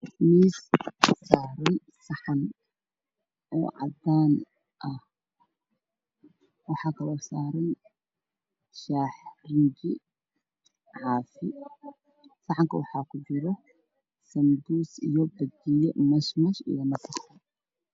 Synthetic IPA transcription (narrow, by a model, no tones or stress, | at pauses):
missaːɾɐn | sɐħan | ʔo̰ːʕa̰d̪ːaːn | ʔɐh | wɐħakʰɐwɐsaːɾɪn | ʃaːħɾɪnd͡ʒi | ʕaːfi | sɐħaŋkɐwaħakʰʊd͡ʒɪɾɔ | sɐnd̪uːsḭjɔbɐd̪ijɛmɐʃmɐʃɪ̰jɐmɐsɐxɐ